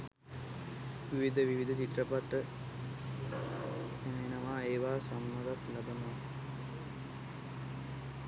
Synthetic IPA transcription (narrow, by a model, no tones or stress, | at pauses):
ʋiʋid̪ʱəʋiʋid̪ʱət͡ʃit̪rəpat̪ːə | t̪ænəenəʋaːeːʋaːsamːad̪at̪labənəa